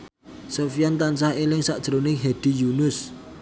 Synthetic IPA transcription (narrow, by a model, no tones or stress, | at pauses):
sofijant̪ansahelɪŋsaʔd̥ʒ̥ɾonɪŋɦɛd̥i̤junʊs